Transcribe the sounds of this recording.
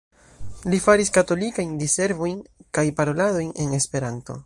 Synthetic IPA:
lifaɾiskato̞likajndise̞ɾvo̞jnkajpaɾo̞lado̞jne̞ne̞spe̞ɾanto̞̰

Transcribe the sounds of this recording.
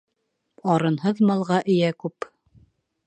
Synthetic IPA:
ɑɾɤ̆nhɤðmɑlˠʁɑʔɘ̆jækʉp

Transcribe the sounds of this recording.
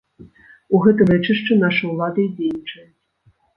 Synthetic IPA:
uɣɛt̪ɨvɛt͡ʂɨʂt͡ʂɨnaʂɨwlˠad̪ɐid͡zʲejnʲit͡ʂɐjʲ

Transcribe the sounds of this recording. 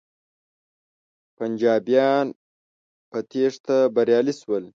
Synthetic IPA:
pɐnd͡ʒɑːbijɑn | pɐt̪ʰeʂt̪abɐɾjɑːliswəl

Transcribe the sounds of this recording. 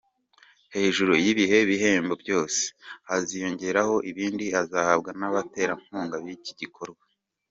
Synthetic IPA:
he̞ːʒuɾojiβiɦe̞βiɦe̞ːmbo̞bjo̞ːse̥hazijo̞ɲɟe̞ɾaho̞ʔiβiːndiazahab̚ɡanaβate̞ːɾaŋ̥huːŋɡaβiciɟikʰo̞ɾɡwa

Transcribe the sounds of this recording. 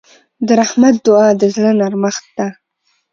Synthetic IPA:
d̪əɾahmat̪̚d̪ʊɑd̪əzlənaɾməxt̪̚d̪a

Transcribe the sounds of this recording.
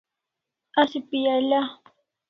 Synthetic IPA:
asɪpɪjala

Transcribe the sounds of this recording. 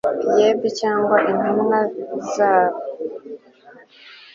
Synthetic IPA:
jebicaːŋɡwaʔin̥umŋazaːβo

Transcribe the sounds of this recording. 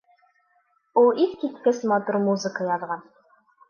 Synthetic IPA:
ulˠiθkit̪kɘsmɒt̪uɾmuzə̆kəjɒðʁɑn

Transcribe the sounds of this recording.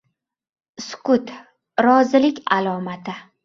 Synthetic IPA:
skʰʊt̪ | ɾɒzɪlɪkʲʰalˠɒmat̪ʰɪ

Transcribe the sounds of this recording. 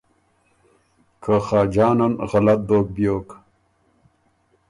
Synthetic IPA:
kʰaxaːd͡ʒɑːnanɣalat̪̚d̪oːk̚bjoːk

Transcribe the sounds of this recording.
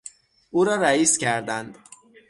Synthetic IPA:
ʔuːɾɒːɾæiːscʲʰæɾd̪ænd̪

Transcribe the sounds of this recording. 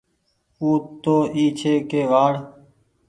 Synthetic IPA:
uːt̪ːoːʔiːt͡ʃʰeːkeːʋaːɽ

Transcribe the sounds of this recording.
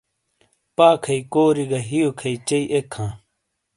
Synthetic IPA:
paːkʰɐikoːɾiɡɐɦijokʰɐit͡ɕɐiʔekʰːãː

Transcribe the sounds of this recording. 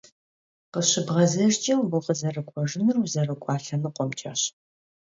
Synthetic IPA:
qəɕɪbʁɐzɐʒt͡ʃʼɐwbuqəzɐrɨkʷʼɔʐɨnɨrwzɐrɨkʷʼɑːɬɐnɨqʷɔmt͡ʃʼɐ̰ɕ

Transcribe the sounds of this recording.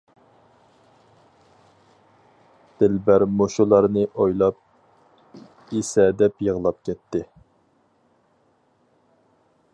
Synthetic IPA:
d̪̥ɪlbæɾmoʃulˠɑɾnɨʔojlˠɑp̚ | isɛd̪ɛpjəʁlˠɑp̚kʲɛt̪ʰːɪ

